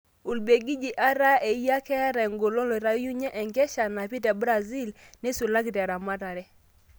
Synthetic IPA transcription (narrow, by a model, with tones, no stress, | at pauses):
u˨lbe˨ɡi˦d͡ʒi˨ʔa˦ɾa˦e˨i˦ja˦kɛ˦a˦ɾɛ˨ŋɡo˨lo˦lo˨ɾa˦ju˦ɲɛ˦ʔɛ˨ŋɡɛ˦ʃa˨na˨pi˦tɛ˨bɾa˨zi˦l | nɪ˦su˨la˦ki˨tɛ˨ɾa˨ma˦ta˨ɾɛ˦